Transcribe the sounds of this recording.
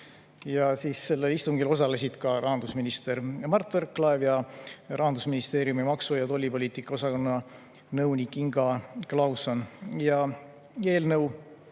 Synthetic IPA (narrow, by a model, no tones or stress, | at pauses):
jɑsiːsːe̞lːelist̪uŋɡilo̞s̬ɑle̞sʲid̪̥kɑɾɑɦɑnd̪̥usminist̪e̞ɾmɑrt̪ːˑverkːˑlɑevjɑrɑɦɑnd̪̥usminist̪e̞ːɾjumimɑksujɑt̪o̞lʲːipo̞lʲiːt̪ikːˑɑo̞sɑko̞nːɑ | nɤwnikːiŋɡ̥ɑklɑwsonjɑ | e̞ːlnɤw